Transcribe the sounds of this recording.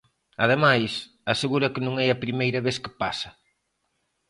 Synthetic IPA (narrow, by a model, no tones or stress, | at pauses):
ɐð̞emajs | ɐseɣuɾɐkɪnũŋɛɐpɾimejɾɐβeθkɪ̥pasɐ